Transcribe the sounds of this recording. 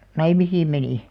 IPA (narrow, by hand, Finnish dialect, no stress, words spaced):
nɑimisiːm meniˑ